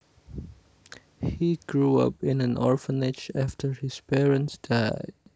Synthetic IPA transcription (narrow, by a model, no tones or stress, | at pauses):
hiɡ̥ɹuʌ̰pɪ̃næ̃nʔɔɹfənɪd͡ʒæftʰəɹhɪspʰɛɹə̃nsd̥aɪ